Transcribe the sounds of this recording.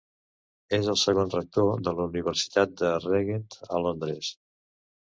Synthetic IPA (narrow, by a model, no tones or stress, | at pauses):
ezəlˠsəɣonrək̚t̪oðələuniβəɾsi̥t̪at̪̚d̪əreɣent̪əlond̪ɾɛs